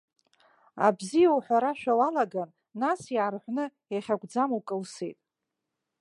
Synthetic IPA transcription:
a̰bzijawħʷᶣaɾaʃᶣawalaɡanː | asjiʕarħʷnɨ | jaχʲaɡʷd͡zamwkʼɨlsejtʼ

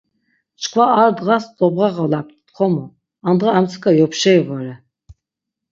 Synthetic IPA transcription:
t͡ʃʰʼkʰvaaɾd̪ʁasd̪ɔbʁaʁalap̚ʰt̪ʰt̪χʰɔmɔ | and̪ʁaamt͡sʰkʰajɔpʰʃɛjvɔɾɛ

